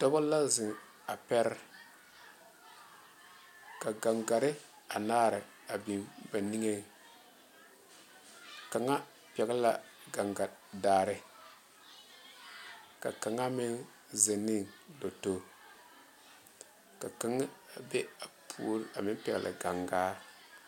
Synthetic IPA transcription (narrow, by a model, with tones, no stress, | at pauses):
tɔ˦bɔ˦la˦zɪ˨ŋ | a˨pɛ˦ɾ | ka˨ɡa˨ŋɡa˨ɾɪ˦ | a̰˨naː˦ɾɪ˨ | a˨bi˨mba˨ni˦ŋe˦ | ka˨ŋa˦ | pɛ˨ɡla˨ | ɡa˨ŋɡa˨daː˨ɾɪ˦ | ka̰˨ka˨ŋa˦mɪ˦n | ze˨ni˦do˨to˦ | ka˨ka˨ŋ˦a˨be˦a˨pʰu˦ɾa˨mɪ˦n˦pɛ˨ɡ̰lʔa̰˨ɡa˨ŋɡaː˦